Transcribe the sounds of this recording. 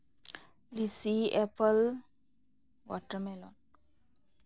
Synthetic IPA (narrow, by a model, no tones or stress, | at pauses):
lisiepəl | wɔ̰ʈəmɛlɔn